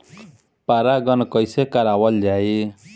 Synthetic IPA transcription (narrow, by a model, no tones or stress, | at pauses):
paɾaɡʌnkʌjsekaɾawʌld͡ʒae